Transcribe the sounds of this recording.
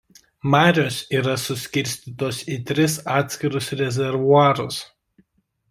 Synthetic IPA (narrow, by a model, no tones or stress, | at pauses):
mɑːɾʲoːsiːɾɐsʊsʲkʲɪɾʲsʲt̪ʲiːˑt̪oːsiːt̪ʲɾʲɪsɑːt̪ʲsʲkʲɪɾʊsɾʲɛzʲɛɾʋʊɑːɾʊs